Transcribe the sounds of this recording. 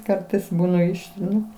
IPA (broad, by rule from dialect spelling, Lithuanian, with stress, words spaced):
ˈkɐrtɐɪs ˈbuːnɐ ˈɪʃʲtʲrʲɪnʊ